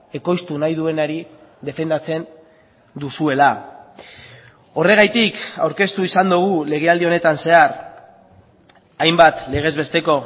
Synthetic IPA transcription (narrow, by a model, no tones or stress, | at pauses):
e̞ko̞jst̪unajðue̞naɾiðe̞fe̞nd̪at͡se̞n | d̪usue̞la | o̞re̞ɣajt̪ika̰wɾke̞st̪uisand̪uɣ̞ule̞ɣ̞e̞ald̪io̞ne̞t̪anse̞aɾ | ajmbat̪le̞ɣ̞e̞zβe̞st̪e̞ko̞